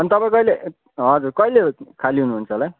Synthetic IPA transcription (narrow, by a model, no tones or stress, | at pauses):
ʌnit̪ʌpãĩkʌile | ɦʌd͡zurkʌilekʰaliɦunuɦunt͡sʰʌlaj